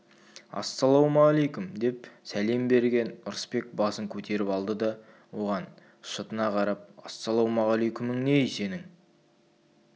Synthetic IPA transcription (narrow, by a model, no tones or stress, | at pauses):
ɑ̰sːɑlˠowmɑɑlejkʊmd̪e̞p̚sæle̞mbe̞ɾɡʲe̞nʊɾəspe̞k̚bɑsəŋkʲʰɵt̪ʰe̞ɾɪpɑlˠd̪əd̪ɑ | wo̞ʁɑn | ʃət̪ənɑqʰɑɾɑp̚ɑ̰sːɑlˠowmɑʁɑlˠejkʲʊmɪŋne̞jse̞nɪŋ